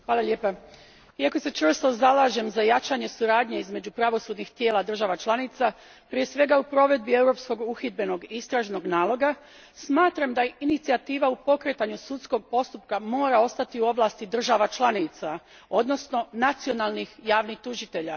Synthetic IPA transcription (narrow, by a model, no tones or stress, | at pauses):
xʋaːlˠaʎe̞ːpa | iako̞se̞t͡ʃr̩st̪o̞zalˠaːʒe̞mzajat͡ʃaɲe̞suɾaːd̪ɲeizme̞d͡ʑupɾaʋo̞sud̪nixt̪je̞ːlˠad̪r̩ʒaʋat͡ʃlˠanit̪sa | pɾije̞sʋe̞ɡaupɾo̞ʋe̞d̪̚bie̞wɾo̞psko̞ɡuxid̪̚be̞no̞ɡist̪ɾaːʒno̞ɡnaːlˠo̞ɡa | smaːt̪ɾamd̪ainit̪siat̪iːʋaupo̞kɾe̞t̪aɲusut̪sko̞ɡ̚po̞st̪upkamo̞ːɾao̞st̪at̪iuo̞ʋlˠaːst̪id̪r̩ʒaʋat͡ʃlˠanit̪sa | o̞d̪no̞sno̞nat̪sio̞nalˠnixjaːʋnixt̪uʒit̪e̞ʎa